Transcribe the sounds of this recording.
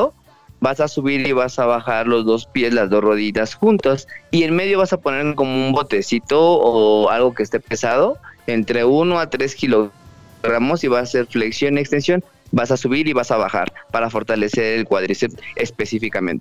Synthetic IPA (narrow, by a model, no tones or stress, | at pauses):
o | basasuβiɾiβasaβaxaɾlo̞zðo̞spje̞slazðo̞sro̞ð̞it̪asxunt̪asie̞nme̞ðjo̞β̞asapo̞ne̞ɾteko̞moumbo̞t̪e̞sit̪o̞ːalɣo̞kest̪e̞pe̞sað̞o̞e̞nt̪ɾe̞unoat̪ɾe̞skilo̞ɣ | ɣɾamo̞siβasase̞ɾfleksjo̞niekst̪ensjo̞n | basasuβiɾiβasaβa̰xa̰ɾpaɾafo̞ɾt̪ale̞se̞ɾelkwaðɾiset̪e̞spe̞sifikamḛ̃nt̪e